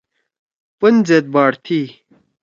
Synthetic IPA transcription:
pənd͡zet̪̚baːɽt̪ʰi

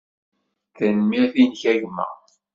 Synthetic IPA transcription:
θənmiθinçæʝmə̰

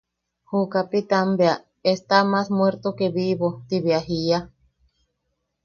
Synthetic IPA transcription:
hukapit̪ambea | est̪amasmweɾt̪okeβiβot̪iβiaɦia

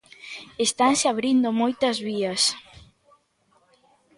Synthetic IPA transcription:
est̪ansɪaβɾind̪omojt̪ɐzβiɐs

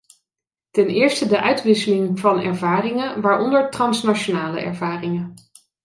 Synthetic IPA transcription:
tɛnɪːɹstədəʔœɥtʋɪsəlɪŋvɑnɛ̰ɹvaːrɪŋənʋaːɹɔndəɹtrɑnsnat͡ʃonaːlə̰ɛ̰ɹvaːrɪŋən

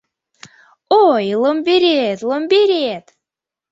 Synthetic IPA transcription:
ojlˠombʲeɾet̪lˠombeɾet̪

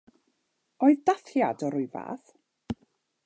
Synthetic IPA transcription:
oɨðdaθjadɔɾʊɨva̰ːθ

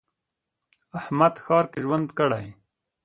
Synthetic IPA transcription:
ahmad̪xɑːɾkeʒwand̪kəɽaj

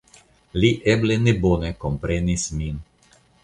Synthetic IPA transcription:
liʔeblenebonekompɾenismin

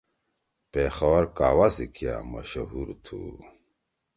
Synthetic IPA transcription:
pexɐwɐɾkaːwasikʰja̰mɐ̰ɕɐɦuɾt̪ʰṵ

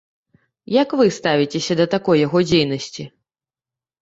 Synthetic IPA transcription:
jɐkvɨst̪avʲit͡sʲesʲɐd̪ɐt̪akɔjːaɣɔd͡zʲejnɐsʲt͡sʲi

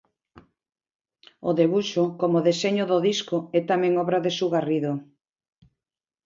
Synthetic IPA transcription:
oðeβuʃokomoðeseɲoðoðiskoɛt̪amɛ̃ŋɔβɾaðesuɣariðo

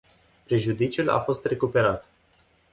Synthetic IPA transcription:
pɾe̞ʒud̪it͡ʃula̰fo̞st̪re̞kupe̞ɾat̪

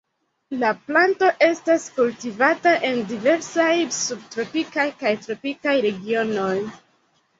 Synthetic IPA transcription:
laplanto̞ʔe̞staskultivataʔe̞ndive̞ɾsajsub̚tɾo̞pikajkajtɾo̞pikajɾe̞ɡio̞no̞j

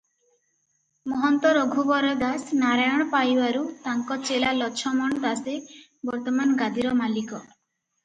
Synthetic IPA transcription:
mɔɦɔnt̪ɔɾoɡʱubɔɾɔd̪asnaɾajɔɽ̃ɔpajbaɾut̪aŋkɔt͡ʃelalɔt͡ʃʰɔmɔɳɔd̪ase | bɔɾt̪ɔmanɡad̪iɾɔmalikɔ

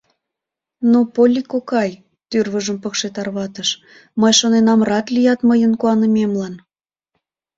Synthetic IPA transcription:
nopolʲːikokɑj | t̪yrβəʒəmpəkʃet̪ɑrβɑt̪əʃ | məjʃonenɑmrɑt̪lijɑt̪məjənkuɑnəmemlɑn

